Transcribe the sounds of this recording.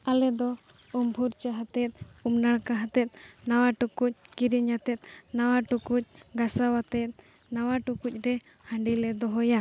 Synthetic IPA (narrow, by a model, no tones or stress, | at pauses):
alɛd̪ɔ | umbʱuɾt͡ʃaɦat̪ɛt̪̚umnaɽkaɦat̪ɛt̪̚ˀnawaʈukuc̚kiɾiɲat̪ɛt̪̚ˀnawaʈukuc̚ˀɡasawat̪ɛt̪̚ | nawaʈukuc̚ˀɾɛ | hãɳɖilɛd̪ɔɦɔja